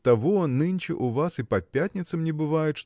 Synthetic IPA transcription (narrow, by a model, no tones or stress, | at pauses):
t̪ɐvonɨnʲt͡ʃɪ̰ʔuvasɨpɐpʲat̪ʲnʲɪt̪sɨmnʲɪbɨvajʊt̪ʂ